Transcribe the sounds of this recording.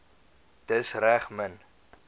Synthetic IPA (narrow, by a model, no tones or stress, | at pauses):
d̥əsræχmən